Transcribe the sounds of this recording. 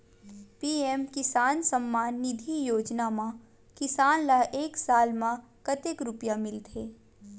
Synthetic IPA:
piːemkɪsaːnsəmːaːnːɪd̪ʱijoːd͡ʒnamã | kɪsaːnlaeːksaːlmã | kɐt̪ekɾʊpjamɪlt̪ʰeː

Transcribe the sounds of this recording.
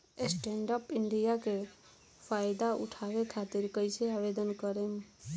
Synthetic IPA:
esʈeɳɖəpiɳɖijake | pʰajd̪aṵʈʰabekʰat̪iɾkəjseabed̪ənkəɾem

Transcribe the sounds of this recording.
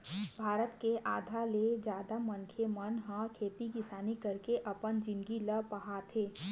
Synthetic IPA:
bʱaːɾət̪keʔaːd̪ʱaled͡ʒaːd̪amənkʰemənɦãkʰeːt̪ikɪsaːnikɐɾkeʔɐpənd͡ʒɪ̃nɡiləpəɦat̪ʰeː

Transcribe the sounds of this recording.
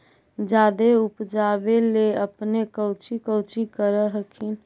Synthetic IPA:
d͡ʒad̪eupd͡ʒabeleəpnekəʊt͡ʃikəʊt͡ʃikəɾəɦəkʰin

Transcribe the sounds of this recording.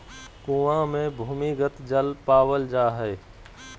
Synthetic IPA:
kũːãmẽbʱuːmiɡət̪d͡ʒəlpaːwəld͡ʒaːɦɛ

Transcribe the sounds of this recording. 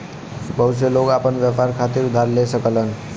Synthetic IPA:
bʌws̬elokapənbjapaɾkʰat̪iɾud̪ʱːaɾlesʌkəlʌn

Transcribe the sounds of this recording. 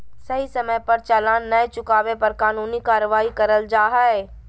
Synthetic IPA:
sɐɦisɐməjpɐɾt͡ʃalaːnːɐjt͡ʃʊkaːʋepɐɾkaːnuːnikaːɾʋaːikɐɾəld͡ʒaːɦaːe

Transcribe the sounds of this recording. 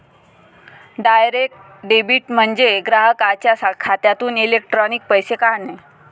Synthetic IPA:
ɖajɾek̚ʈ | ɖebiːʈm̤əɳd͡zeɡɾaɦəkat͡ɕjasakʰat̪jat̪uːnilek̚ʈɾɔnik̚pəjsekaɾne

